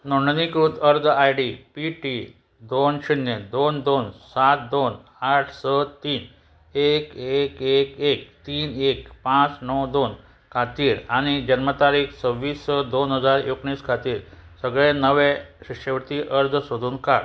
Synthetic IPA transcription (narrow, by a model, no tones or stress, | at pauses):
noɳɖənikɾut̪əɾd͡zajɽipiʈi | d̪onɕinjed̪ond̪onsat̪̚d̪onaʈʰsət̪iːn | ekekekek̚t̪iːnekpãt͡snəwd̪on | kʰat̪iːɾaɽ̃id͡ʑənmət̪aɾiːkt͡səʋːiːsːəd̪onɦəd͡zaɾjokɳiːskʰat̪iːɾsəɡɭenəʋeɕikɕəʋt̪iːʔəɾd͡zsod̪ʱuːnkaɾ